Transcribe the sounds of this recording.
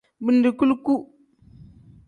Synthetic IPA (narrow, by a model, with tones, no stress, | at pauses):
bi˨ndi˨ku˦lku˦